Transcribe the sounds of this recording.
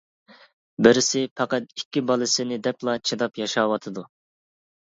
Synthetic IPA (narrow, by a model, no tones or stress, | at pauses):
bɪɾɪsɪpʰɑqɑt̪ikʲːibɑlˠɨsɪnɪd̪ɛplˠɑt͡ʃʰed̪ɑpjɑʃɑwɑt̪ʰɨd̪u